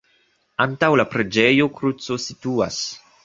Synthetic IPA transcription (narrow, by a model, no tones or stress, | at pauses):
antawlapɾe̞d͡ʒe̞jo̞kɾut͡so̞situa̰s